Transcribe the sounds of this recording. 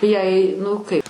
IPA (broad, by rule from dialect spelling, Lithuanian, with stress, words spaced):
jɛɪ ˈnʊ kɐɪp